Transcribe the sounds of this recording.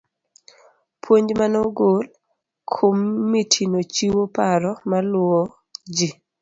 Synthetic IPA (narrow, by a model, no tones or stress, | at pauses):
pʰwoɲd͡ʒmanoɡol | kʰomːitʰinot͡ʃiwopaɾɔmalʊɔ | d͡ʒi